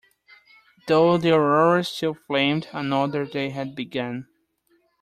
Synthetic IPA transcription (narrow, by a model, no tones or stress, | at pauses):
ðoʊðəɹɔɹə˞stɪlˠflẽɪ̃mdənʌðə˞ðeɪɦɨd̚bɨɡʌ̃n